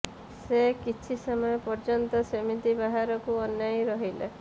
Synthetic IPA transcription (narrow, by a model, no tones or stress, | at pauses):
sekit͡ʃʰisɔmɔjɔpɔɾd͡ʒɔnt̪ɔsemit̪ibaɦaɾɔkuɔnjajɾɔɦilḛ